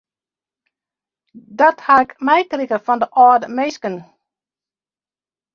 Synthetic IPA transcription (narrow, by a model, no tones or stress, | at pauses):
dɔthaɪkmɛjkrikəfɔndəʔɔdəmejskən